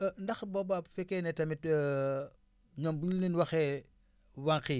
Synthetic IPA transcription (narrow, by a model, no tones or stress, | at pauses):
ndɐxbɔbafɛkːɛnɛtɐmitː | ɲɔmbuulninwɐxɛ | waŋki